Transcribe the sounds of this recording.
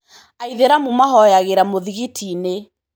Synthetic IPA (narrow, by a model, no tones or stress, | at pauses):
aiðeɾamumaɦɔjaɣeɾamoðiɣitʰine